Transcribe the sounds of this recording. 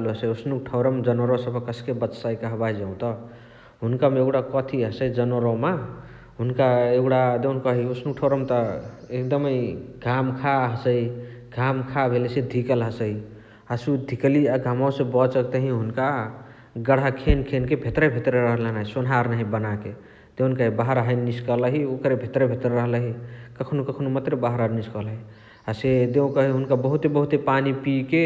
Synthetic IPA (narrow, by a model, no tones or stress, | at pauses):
luɦəsəosnuk̚ʈʰəʊɾəmd͡ʒənəɾosəbʱəkəskebət̪saikəɦbaid͡ʒaũt̪ə | ɦunkameeɡɽakɔt̪ʰiɦəsəid͡ʒənəɾɔma | ɦunkaeɡɽad̪ewnkəɦiosnuk̚ʈʰəʊɾəmt̪əekd̪əməjɡʱamkʰaɦəsəjɡʱamkʰabʱelisẽd̪ʱikəlɦəsəj | asud̪ʱikəliaɡʱamawsẽbət͡ʃəkt̪əɦĩɦunka | ɡəɽakʰenkʰenkebʱet̪ɾəbʱet̪ɾəɾəɦəlenaɦisunɦaɾnaɦibənake | d̪eunkaɦibaɦəɾɦəjnːiskələɦiokəɾebʱet̪ɾəbʱet̪ɾəɾəɦləɦikəkʰnukəkʰnumət̪ɾebaɦəɾəniskəlɦi | ased̪eũkəɦiɦunkabəɦut̪ebəɦut̪epanipike